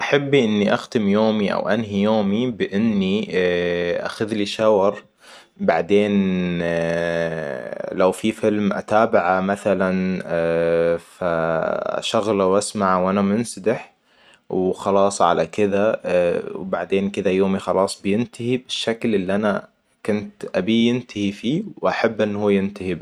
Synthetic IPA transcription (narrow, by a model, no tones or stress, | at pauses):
ʔaħabːiʔɪnːiʔaxd̪ɪmjoːmiʔa̰wʔanɦijoːmibɪʔɪnːi | ʔa̰xaðliʃɑwɑɾˤ | baʕd̪eːn | lawfifɪlmʔa̰t̪aːbɪʕamaθalan | fa | ʃaɣlawʔasmaʕwʔanamʊnsad̪ɪħ | wxɑlɑːsˤʕa̰lakɪða | wbaʕd̪eːnkɪd̪ajoːmixɑlɑːsˤbɪjɪnt̪ɪhibɪʃːaklʔɪlːiʔana | kʊnt̪ʔabijɪnt̪ɪhifiːwʔaħabːʔɪnːhuːjɪnt̪ahib